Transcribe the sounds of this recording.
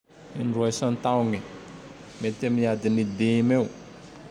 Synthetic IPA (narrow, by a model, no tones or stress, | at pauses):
inɖ͡ʐuɛsãnt̪ãwŋi | met̪emiad̪inid̪emew